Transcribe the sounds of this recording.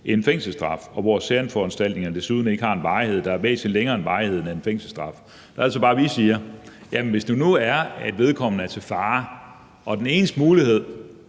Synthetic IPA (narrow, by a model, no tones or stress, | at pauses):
ienfeŋ̰sl̩sd̥ʁɑ̈fɒ̽ʋɒ̰sæɐnfɒænsd̥æl̰d̥ne̝ŋɐnəd̥e̝suð̞ˠn̩e̝ɡ̥əhɑ̈e̝nʋɑ̈ɪhe̝ð̞̰ˠd̥ɑ̈æɐb̥ḛːsinleŋɐːe̝nʋɑ̈ɪhe̝ð̞̰ˠnæenfeŋ̰sl̩sd̥ʁɑ̈f | d̥ɑæl̰sɒb̥ɑ̈ːʋisiːɐ | jæmenʋe̝sd̥unuæɐed̥ʋe̝ð̞ˠkʰɒ̽m̰n̩æɐt͡sʰe̝fɑ̈ː | ʔɒ̽d̥ene̝̰ːnəsd̥əmuːlihe̝ð̞̰ˠ